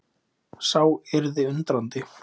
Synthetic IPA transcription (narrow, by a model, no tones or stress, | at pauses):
sawɛɾðɪʏnt̪ɾant̪ɪ